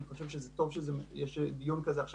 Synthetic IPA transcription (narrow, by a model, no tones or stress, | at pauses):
niχaʃɛvʃəzɛtov̥ʃəzɛjɛʃd̪ijunkazɛaχʃa